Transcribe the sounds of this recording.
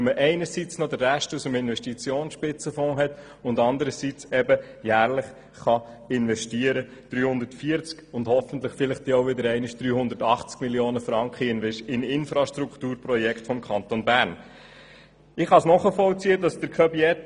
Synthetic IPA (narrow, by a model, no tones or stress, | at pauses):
ɛməʔɛɪnəɾsit͡snod̪ərːæʃtusəmɪnʋɛʃtit͡sjoːnsʃpɪt͡səfɔ̃ːɦɛt | ʊndɑnd̪əɾəsit͡sɛbəjæːɾləχ | χɑɪnʋɛʃtiəɾəd̪̥ɾyːhʊnd̪ətfiəɾt͡skʊndhɔfən̩t̪ləχfɪlɪχtd̥̪ioʊʋɪd̪əɾɛɪnɪʃd̥ɾyːhʊnd̪ətɑχt͡skmiljoːnəfɾɑŋkχənɪnɪnfɾɑʃtɾukχtuːɾpɾɔjɛkχtfɔmkʰɑnt̪onbæɾn | ɪχhɑsnɔχəfɔlt͡siədɑsd̥əɾkʰœbiɛt